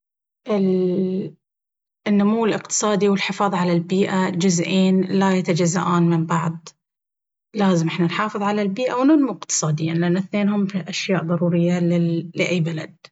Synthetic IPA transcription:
ʔɪl | nːʊmuwːɪlɪqt̪ɨ̥sˤɑːd̪iwɪlħɪfɑːðˤʕalalbiːʔad͡ʒʊzʔiːnlajat̪ad͡ʒazːa̰ʔaːnmɪmbɑʕd̪ˤ | laːzɪmʔɪħnanħɑːfɨðˤʕalalbiːʔawnʊnmuʔɪqt̪ɨ̥sˤɑːd̪ɪjːanlɪʔanːɪθneːnhʊmʔaʃjaːʔðˤɑɾuːɾɪjːalːɪʔajːbalad̪̥̚

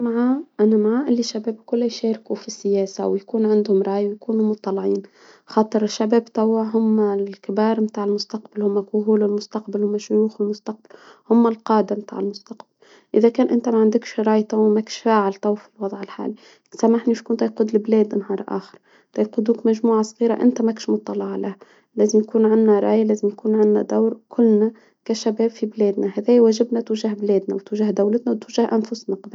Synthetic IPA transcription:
maʕaːʔanamaʕaːʔɪlːiʃːabeːbkʊlːajʃeːɾkufisːɪjeːsa̰wjakuːnʕɪnd̪hʊmɾˤɑːjawjkuːnumʊt̪ˤːɑlʕiːn | xɑːt̪ˤɨɾɪʃːabɛːbt̪ɑwːaɦʊmːalkɪbɑːɾˤmt̪aːʕɪlmʊst̪ɑqbalhʊmːakʊɦuːlɪlmʊst̪ɑqbalhʊmːaʃʊjuːxɪlmʊst̪aq̚balhʊmːalqɑːd̪amt̪a̰ːʕɪlmʊst̪aqball | ʔɪðækæːnʔɪnt̪æmaʕand̪ɪkʃɾˤɑːjt̪ˤɑwmækʃfaːʕɪlt̪ˤɑwfilwɑðˤʕɪlħa̰ːli | samaħniʃkuːnt̪ɑjquːd̪lɪblɛːd̪nhɑːɾˤʔa̰ːxɪ̥ɾˤ | t̪ɑjqud̪uːkmæʒmuːʕasˤɣiːɾaʔɪ̰nt̪æmækʃmʊt̪ˤːɑlɑʕlah | læːzɪmjkuːnʕanːaɾˤɑːjalæːzɪmjakuːnʕanːæ̰d̪awɾkʰʊlːna | kæʃabæːbfibleːd̪nahæːðæːjwæːʒɪbnat̪uʒahbleːd̪nawt̪uʒahd̪awlɪt̪nawt̪wʒahʔanfʊsnaqða

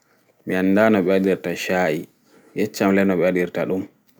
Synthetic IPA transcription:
mianːdaːnɔɓɛadiɾtaʃaːʔi | jɛt͡ʃːamlɛnɔɓɛaɗiɾtaɗum

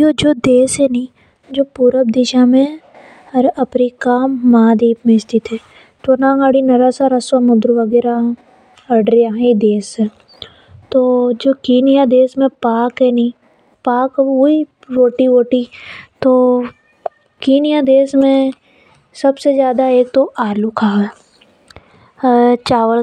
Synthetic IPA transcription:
joːd͡ʒoːd̪eːsɦɛnĩː | d͡ʒoːpuːɾəb̚d̪ɪʃamẽ | ɐɾɐpɾikaːmːaːd̪iːpmẽst̪it̪ʰɛ | t̪wɐnãːŋaːɽinɐɾasaɾɐswaːmʊd̪ɾʋɐɡɛːɾa | ɐɖɾijaɦid̪eːsɛ̃ | t̪oːd͡ʒoːkiːnijad̪eːsmẽpaːkɦɛnĩː | paːkoi | ɾoːʈiʋoːʈit̪oː | kiːnijad̪eːsmẽ | sɐbsezjaːd̪aeːk̚t̪oʔaːlukʰaː | t͡ʃaːʋəl

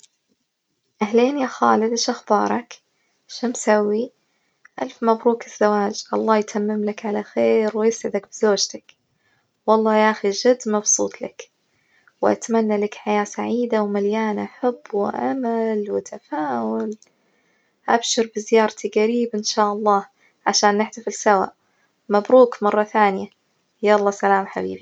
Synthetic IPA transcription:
ʔahleːnjaxaːlɪd̪ʔɪʃʔaxbɑːɾˤɑk | ʃaːmsawːi | ʔalfmabɾuːkɪz̥ːawaːd͡ʒʔɑlˤːɑːjt̪ʰamːɪmlakʕalaxeːɾwjɪsʕɪd̪akbɪzoːd͡ʒt̪ak | wɑlˤːɑːjaxiʒɪd̪ːmɑbsˤuːt̪ˤlak | wʔa̰t̪manːalakħajaːsaʕiːd̪awmaljaːnʔaħabːwɪʔa̰malwɪt̪ʰafaːwʊl | ʔabʃɪɾbɪzɪjɑːɾˤt̪iɡaɾiːbʔɪnʃaːʔɑlˤːɑː | ʕaʃaːnːɪħd̪afɪlsawa̰ʔ | mabɾuːkmɑrˤːɑθaːnɪja | jaʔɑlˤːɑːsalaːmħabḭːbi

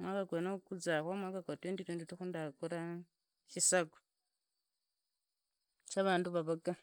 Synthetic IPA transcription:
mwakakenokud͡zaxwamwakakatweːnditweːndituxundakuɾa | ʃisaɡo̥ | t͡ʃaβaːnduβaβaɡa

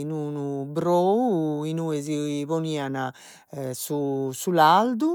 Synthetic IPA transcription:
inunubɾoːuinuːɛz̬iβoniːana | susulald̪u

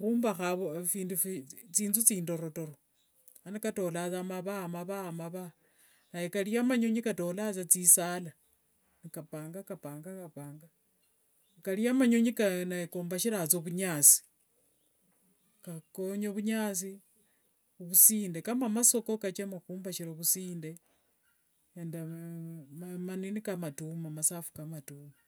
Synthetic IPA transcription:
xuːmbaxaβofiːnduft͡siːnzut͡siːndo̞ɾo̞to̞ɾo | anikato̞lat͡samaβamaβamaβa | najekaliamaɲo̞ɲikato̞lat͡sat͡sisaːla | nikapaːŋɡakapaːŋɡakapaːŋɡa | kaliamaɲoɲikanaekoːmbaʃiɾat͡soβuɲaːt͡si̥ | kakoɲoβuɲaːt͡si | oβusiːndekamamasokokat͡ʃemakuːmbaʃiɾoβusiːnde | enda | mmaninikamatumamasafu̥kamatuma

